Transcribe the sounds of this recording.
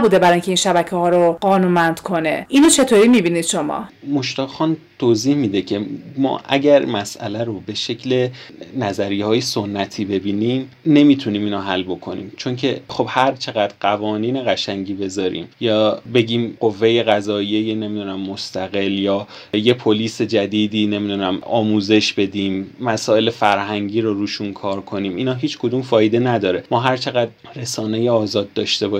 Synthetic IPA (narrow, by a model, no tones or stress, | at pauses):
buːd̪ebæɾɒiŋcʰeiːnʃæbæcʰehɒːɾoɢɒːnuːnmænd̪̥kʰonḛʔinot͡ʃʰe̞t̪ʰoɾiːmibiːnid̪̥ʃo̞mɒ̰ːmoʃt̪ɒːxɒːnt̪ʰoziːhmid̪ecʰe̞mɒ̰ːʔæɟæɾmæsʔæ̰læɾobe̞ʃe̞cʰle̞næzæɾihɒːjesonːæt̪ʰiːbe̞biːniːmne̞miːt̪ʰuniːmiːnoɦælːbo̞kʰo̞nḭːmt͡ʃʰo̞ncʰe̞χobhæɾt͡ʃʰe̞ɣæd̪̥ɢævɒːniːneɣæʃæŋɟiːbe̞zɒːɾḭːmjɒːbe̞ɟiːmɢovːe̞je̞ɣæzɒːijejene̞mid̪uːnæmːo̞st̪ʰæɣe̞ljɒː | je̞pʰo̞liːse̞d͡ʒæd̪iːd̪iːne̞mid̪uːnæmɒːmuːze̞ʃb̥e̞d̪iːmːæsɒːe̞lefæɾɦæŋɟiːɾoɾuːʃunkʰɒːɾkʰo̞niːmiːnɒːɦiːt͡ʃkʰo̞d̪umfɒːjed̪e̞næd̪ɒːɾe̞mɒːɦæɾt͡ʃʰe̞ɣæd̪ | ɾesɒːnejeɒːzɒːd̪̚ːɒːʃt̪e̞bɒː